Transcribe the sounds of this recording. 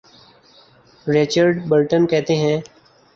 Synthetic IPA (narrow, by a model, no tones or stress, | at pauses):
ɾɪt͡ʃəɾɖbəɾʈənkɛɦt̪eɦɛ̃ː